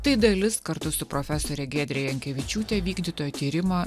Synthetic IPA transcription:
t̪ɐɪd̪ɐlʲɪskɐɾt̪ʊsʊpɾoːfʲɛsoːɾʲɛɡʲeːd̪ʲɾʲɛjɛɐŋʲkʲɛʋʲɪt͡ʃʲuːt̪ʲɛʋʲiːɡd̪ʲiːt̪oːjot̪ʲiːɾʲɪmɐ

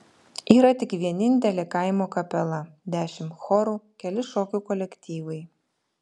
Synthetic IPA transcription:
iːɾɐt̪ʲɪkʋʲiɛnʲɪnʲt̪ʲɛlʲeːkɐɪmoːkɐpʲɛlˠɐd̪ʲæːʃʲɪmxoɾuːkʲɛlʲɪʃoːkʲukɔlʲɛkt̪ʲiːʋɐɪ

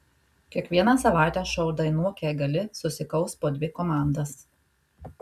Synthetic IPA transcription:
kʲiɛkʋʲiɛnɑsɐʋɑˑɪt̪ʲɛːʃɐʊd̪ɐɪnuɔkʲɛɡɐlʲɪsʊsʲɪkɒʊspoːd̪ʲʋʲɪkoːmɑˑnd̪ɐs

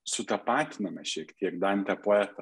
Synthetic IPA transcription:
sʊt̪ɐpɑːt̪ʲnʲɐmʲɐʃʲiɛkt̪ʲiɛkd̪ɐnʲt̪ʲɛpoɛːt̪ɐ

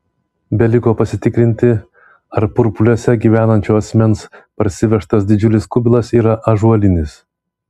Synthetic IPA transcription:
bʲɛlʲɪkoːpɐsʲɪt̪ʲɪkɾʲɪnʲt̪ʲɪ | ɐɾpʊɾpʊlʲoːsʲɛɡʲiːʋʲæːnɐnʲt͡ʃʲuːɐsʲmʲɛnspɐɾʲsʲɪʋʲɛʃt̪ɐsd̪ʲɪd͡ʒʲʊlʲɪskʊbʲɪlˠɐsiːɾɐʔɐʒuɐlʲɪnʲɪs

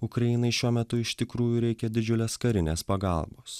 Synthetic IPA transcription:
ʊkɾɐjɪnɐɪʃʲuɔmʲɛt̪ʊɪʃt̪ʲɪkɾuːjuɾʲɛɪkʲɛd̪ʲɪd͡ʒʲʊlʲeːskɐɾʲɪnʲeːspɐɡɑ̰ˑlˠboːs

